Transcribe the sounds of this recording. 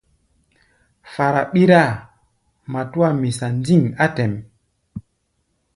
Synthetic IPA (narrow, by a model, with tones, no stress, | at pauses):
fa˨ɾa˨ɓi˦ɾa˦˨ | ma˨tu˦a˦˨mi˨sa˨nd͡zi˦˨ŋa˦tɛ˨m